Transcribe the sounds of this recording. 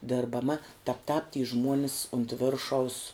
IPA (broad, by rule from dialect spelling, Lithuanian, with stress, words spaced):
dʲɪrbɐˈmɐ tɐp tɑːp tʲiː ˈʒmuɔnʲɪs ʊnt ˈʋʲɪrʃɐʊs